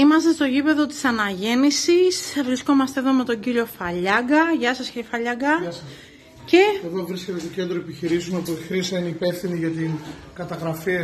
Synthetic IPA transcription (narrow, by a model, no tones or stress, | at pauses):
imɐst̪e̞st̪o̞ʝipe̞ðo̞t̪i̥sɐnɐʝe̞nisisvɾisko̞mɐst̪eðo̞me̞t̪o̞ɲɟiɾio̞fɐʎɐɡɐʝɐsɐscɾofɐʎɐɡɐ | ce̞eðo̞vɾiscet̪et̪ocend̪ɾoepiçiɾisunopuixɾisɐinipe̞fθiniʝɐt̪in | kɐt̪ɐɣɾɐfiɐ